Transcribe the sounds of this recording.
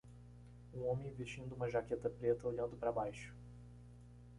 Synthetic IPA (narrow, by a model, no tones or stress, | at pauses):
ũõmẽj̃vest͡ʃĩnd̪ʊũmɐʒaket̪ɐpɾet̪ɐoʎɐ̃nd̪ʊpɾɐbajʃʊ̥